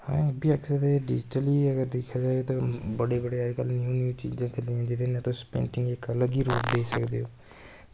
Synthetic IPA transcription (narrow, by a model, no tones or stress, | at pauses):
hãːbiːəksed̪eɖɪd͡ʒɪʈəliːəɡəɾd̪eːkʰjaːd͡ʒaːet̪ãːbəɽeːbəɽeːaːkəlnɪjũːnjũːt͡ʃḭːd͡ʒãːt͡ʃəld̪iãːd͡ʒɪd̪enɛ̃t̪õːspḛ̃ːɳʈɪ̃ŋɡɪkələɡiːɾo̰ːpd̪eːisəkd̪ḛːoː